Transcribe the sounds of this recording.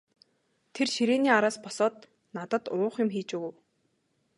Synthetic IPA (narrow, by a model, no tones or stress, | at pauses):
t̪ʰerʃiɾeːniːaɾaːspɔsɔːt̪ | nat̪ə̆t̪ʊːχjʊ̆mxiːt͡ɕuɣɘ̆w